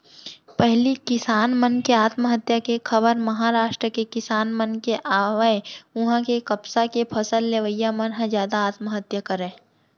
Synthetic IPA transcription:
pɛɦlikɪsaːnmənkeaːt̪məɦət̪jakekʰɐbəɾmɐɦaɾaːʃʈɾəkekɪsaːnmənkeʔaːʋẽʊɦãkekɐpsakepʰɐsəlːeʋəjamənɦə̃zjaːd̪aːt̪məɦət̪jəkəɾẽː

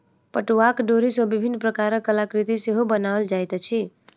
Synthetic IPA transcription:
pəʈuakɖoɾisɔbibʱinːpɾəkaɾəkəlakɾit̪iseɦobənaəld͡ʒajt̪t͡ʃʰi

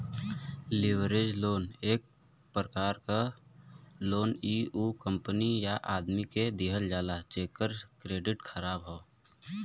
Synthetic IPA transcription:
lɪwɾeːd͡ʒloːneːk̚pɾəkaːɾka | loːniːuːkə̃mpənijaʔaːd̪miked̪iɦəld͡ʒaːlat͡ʃeːkːəɾkɾeːɖɪʈkʰəɾaːbɦoː

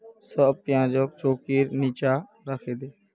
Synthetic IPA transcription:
səpɪjãːd͡ʒoːk̚t͡ʃoːkiːɾniːt͡ʃaː | ɾəkʰeːd̪eː

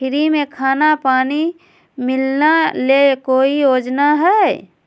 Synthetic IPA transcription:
pʰɪɾimẽkʰaːnapaːni | mɪlnalekoːijoːd͡ʒnaɦɛː

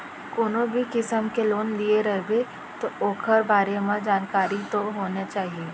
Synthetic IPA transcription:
koːnõbʱikɪsəmkeloːnlieɾɐɦebe | t̪ooːkʰəɾbʱaːɾemãd͡ʒaːnkaːɾit̪oɦoːnet͡ʃaːɦieː

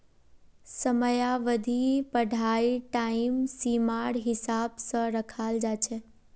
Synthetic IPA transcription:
səməjaʋəd̪ʱipəɖʱaiʈaimsimaɽɦɪsabsəɾəkʰald͡ʒat͡ʃʰe

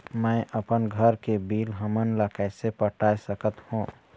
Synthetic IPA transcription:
mə̃ʔəpənɡʱəɾkebiːlɦəmənləkəɪsepəʈʰaːsəkət̪hũ

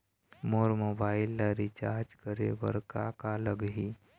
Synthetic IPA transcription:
moːɾmoːbaːɪlːaɾit͡ʃaːɾd͡ʒkəɾḛʋə̰ɾka̰kaləɡɦi

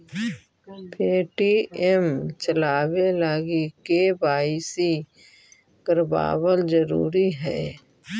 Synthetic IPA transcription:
pʰeːʈiɛmt͡ʃəlaːwelaːɡikebaːɪsi | kəɾba̰ːwəld͡ʒəɾṵːɾiɦɛː

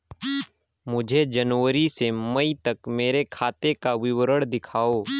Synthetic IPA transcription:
mʊd͡ʒʱed͡ʒənʋəɾisemɐit̪ɐkmeːɾekʰaːt̪ekaʋɪwɾəɽd̪ɪkʰaːoː

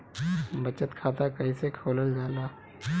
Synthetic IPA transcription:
bɐt͡ʃət̪kʰaːt̪akɐĩsekʰoːləld͡ʒaːlaː

